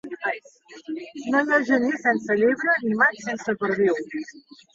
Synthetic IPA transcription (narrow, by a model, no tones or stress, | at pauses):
noʎəʒənisɛnsəʎiβɾənimajsɛnsəpəɾðiw